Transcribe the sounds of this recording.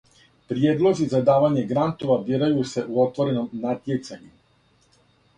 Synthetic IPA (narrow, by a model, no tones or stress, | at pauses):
pɾjeːd̪lˠo̞zizad̪aːʋaɲe̞ɡɾant̪o̞ʋabjeɾajuse̞ʔuo̞t̪ʋo̞ɾe̞no̞mnat̪jet̪saɲu